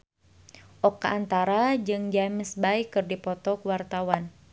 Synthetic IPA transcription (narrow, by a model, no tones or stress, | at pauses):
ʔɔkaʔːnt̪aɾad͡ʒɨŋd͡ʒaməsbaikːɨrdipɔt̪ɔkwart̪awan